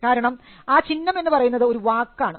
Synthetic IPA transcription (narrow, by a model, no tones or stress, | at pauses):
kaːɾɐɳɐm | aːt͡ɕinːɐme̞nːɨpɐrɐjunːɐðɨo̞ɾuʋaːkːaːɳɨ